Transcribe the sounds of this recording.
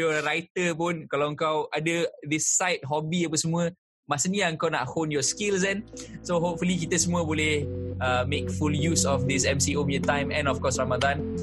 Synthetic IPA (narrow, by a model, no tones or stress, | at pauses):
jɔɾajt̪əpũnkalaə̃ŋkawʔadəd̪isːajt̚ɦɔbiəpəsəmuə | masəniəə̃ŋkawna̰t̚honjɔskils̬ɛ̃nsoɦop̚fulikit̪əsəmuəbɔlihəmekfuljusɔfd̪isɛ̃msiomiət̪ãj̃mɛ̃nɔfkɔsɹamadãn